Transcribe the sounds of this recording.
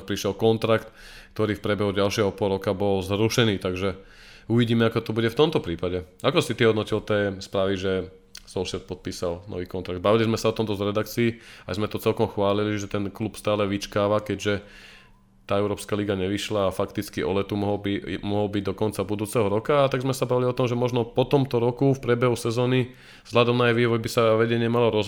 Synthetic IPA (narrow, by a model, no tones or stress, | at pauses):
k̚pɾiʃɛlkɔnt̪ɾakt̪ | kt̪ɔɾiːfpɾɛbɛɦuɟalʃɪɛɦɔpɔlɾɔkabɔlzɾuʃɛniːt̪aɡʒɛ | uʋiɟiːmɛakɔt̪ɔbuɟɛft̪ɔmt̪ɔpɾiːpaɟɛakɔsit̪iɛɦɔd̪nɔcilt̪ɛːspɾaʋiʒɛ | sɔlʃɛt̪̚pɔt̪̚piːsalnɔ̰ʋiːkɔnt̪ɾaɡ̚d̪baʋilizmɛsaɔt̪ɔmt̪ɔzɾɛd̪akt͡siːa̰jzmɛt̪ɔt͡sɛlkɔmxʋaːliliʒɛt̪ɛnklupst̪aːlɛʋit͡ʃkaːʋakɛɟʒɛ | t̪aːɛʊɾɔːpskaːliɡaɲɛʋiʃlaːfakt̪it͡skiʔɔ̰lɛt̪umɔɦɔbimɔɦɔlbiɟd̪ɔkɔnt͡sabud̪uːt͡sɛɦɔɾɔkaːt̪aɡzmɛsabaʋiliɔt̪ɔmʒɛmɔʒnɔpɔt̪ɔmt̪ɔɾɔkufpɾɪɛbɛɦusɛzɔːni | vz̥ɦʎad̪ɔmnaajʋiːʋɔjbisaʋɛɟɛɲɪɛmalɔɾɔz